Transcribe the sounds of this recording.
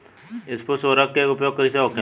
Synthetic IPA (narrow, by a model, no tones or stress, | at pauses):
ɪsposoːɾakːekʊpjoːɡ̚kɐĩseɦoke